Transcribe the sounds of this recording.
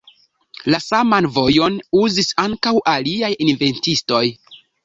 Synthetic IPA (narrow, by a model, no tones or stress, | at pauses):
lasamanvo̞jo̞nuzisaŋkawʔaliajinve̞ntisto̞j